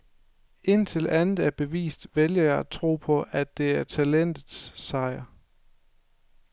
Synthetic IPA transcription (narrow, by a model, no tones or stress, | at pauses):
ʔe̝n̰t͡sʰe̝lʔænð̩ˠæɐb̥e̝ʋḭːsd̥ʋeljɐjɑ̈ɪæt͡sʰʁo̝̰ːpʰɒ̽ʔæd̥ːe̝æɐt͡sʰælen̰d̥ð̩ˠssɑ̈ɪ̰ɐ